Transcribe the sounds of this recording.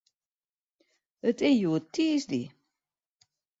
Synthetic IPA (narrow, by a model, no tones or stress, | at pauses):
ətɪjuətʰiəsdḭ